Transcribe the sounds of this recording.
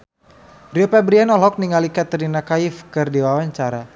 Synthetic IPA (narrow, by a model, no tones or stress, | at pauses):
riopɛbɾianɔlɔk̚niŋalikat̪əɾinakaifkɨrdiwawaɲt͡ʃaɾa